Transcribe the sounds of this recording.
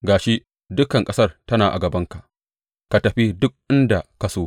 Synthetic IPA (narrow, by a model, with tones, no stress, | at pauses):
ɡaː˨ʃi˦ʔ | dʊ˦kɐ˨ŋkʼɐ˦sɐ˦rtɐ˦naː˨ʔa̰˨ɡɐ˨bɐ˦ŋka˨ʔ | ka˨tɐ˨ɸi˦dʊ˦k̚ʔɪ˦nda˨ka˨soː˦